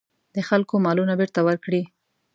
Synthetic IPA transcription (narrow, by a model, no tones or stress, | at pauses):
d̪əxalkomɑlunabeɾt̪awəɾkɽi